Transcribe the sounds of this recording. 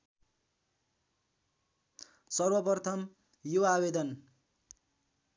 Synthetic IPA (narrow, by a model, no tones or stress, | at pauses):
sʌrwʌpʌrt̪ʰʌm | joabed̪ʌn